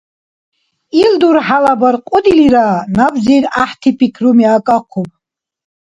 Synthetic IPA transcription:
ild̪uɾħalabarqʼʊd̪iliɾaːnabzijraħt̪ʰipʰikʰrumiakʼaqʷʰopʼ

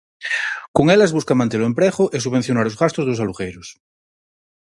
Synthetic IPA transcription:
koŋelazβuskamãnt̪eloempɾeɣoʔes̬uβẽnθjonaɾozɣast̪ozðosaluɣejɾos

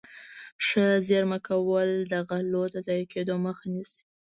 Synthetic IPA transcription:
ʂəzeɾmakawəld̪aɣalod̪əzajiked̪oməxanisi̥

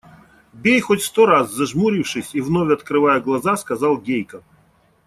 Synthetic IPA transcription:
bʲejxotʲst̪ɔɾazːɐʐmuɾʲiwʂɨsʲivnɔvʲɐt̪kɾɨvajɛɡlˠɐzaskɐzɑlˠɡʲejkɐ

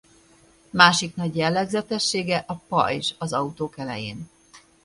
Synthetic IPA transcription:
maːʃiknɒɟjɛlːɛɡzɛt̪ɛʃːeːɡɛʔɒpɒ̰jʒɒzɒut̪oːkɛlɛ̰jḛːn

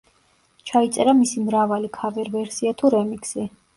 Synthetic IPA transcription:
t͡ʃʰait̪sʼɛɾamisimɾavalikʰavɛɾvɛɾsiat̪ʰuɾɛmiksi

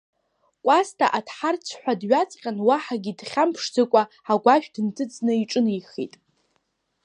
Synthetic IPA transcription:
kʷʼastʰaʔadħart͡sʰħʷᶣadɥat͡sʼqʲʼanwaħaɡʲidχʲampʰʂd͡zɨkʷʼa | aɡʷaʃᶣdɨntʰɨd͡znɨiʈ͡ʂʼɨniχḭtʼ

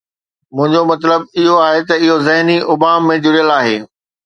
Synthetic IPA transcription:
mʊ̃ɦɪ̃ɲd͡ʑomɐt̪ləb̚ɪɦoaːɦet̪ɐɪɦozɐɦniʔʊbaːmːẽd͡ʑʊɽijəlaːɦeː

